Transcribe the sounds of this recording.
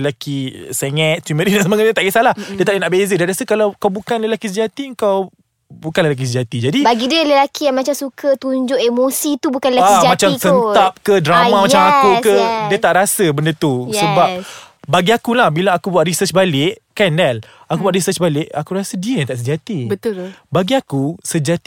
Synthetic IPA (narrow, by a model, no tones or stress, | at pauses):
lakisɛŋɛt̪̚t̪imədinansəmaŋaʔɲət̪aʔɡəsalahdiət̪aʔinaʔbezədanrɾasəkalawkawbukanləlakisəd͡ʒat̪iəŋkaw | bukanləlak̬is̬əd͡ʒat̪id͡ʒadibaɡidiələlakijaŋmãt͡ʃamsukʰət̪uɲd͡ʒʊʔemosit̪ubukanləlaaisd͡ʒamãt͡ʃamsənt̪ap̚kədɾamãmãt͡ʃamakukədiət̪aʔɾasəbəndət̪usəbap̚ | baɡiakulahbilaːkubuaʔrisət͡ʃbalɪʔkandɛl | akubuaʔrisət͡ʃbalɪʔakuɾasədiəjaŋt̪aʔsəd͡ʒat̪ibət̪ʊbaɡiakusəd͡ʒat̪i